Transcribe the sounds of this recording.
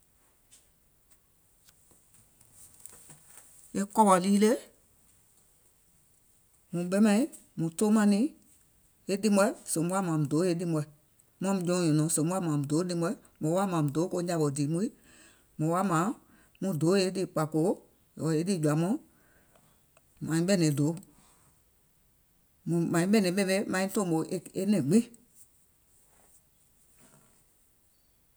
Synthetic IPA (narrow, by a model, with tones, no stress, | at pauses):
e˦kɔ˦ɓɔ˨liː˦le˦ | mũ˨ɓɛ˦mɛ̃˧ĩ˦ | mũ˨to˦mã˧nĩ˦ | e˦dĩ˦mɔ˧˦sõ˨bu˦a˦mãː˨mũ˨do˨˦e˧˦ɗi˧mɔ˧i˨ | mɔ̃˦mũ˧d͡ʒɔ̃˧˦ɲɔ̃˨nɔ̃˨˦sõ˨˦u˦a˦˨mãː˨mũ˨doː˨˦ɗi˧mɔ˧i˦ | mɔ̃˨˦wa˦mã˨mũ˨doː˨˦ko˧˦ɲa˧ɓɔ˨diː˨mũ˦i˦ | mɔ̃˨˦wa˦mã˨˦ | mũ˧˦doː˨˦e˧˦di˦˨k͡pa˨ko˨˦ | jɔ˨e˦di˦˨d͡ʒwa˨˦mɔ̃˦ | mã˨ĩ˦ɓɛ˦˨nɛ̃˨do˨˦ | mũ˨mã˨˦ĩ˦ɓɛ˦˨nɛ̃˨˦ɓɛ̃˦be˦mã˨˦ĩ˦tɔ̃˦˨ɓo˨ʔe˧e˧nɛ̃˨ɡ͡bĩ˦˨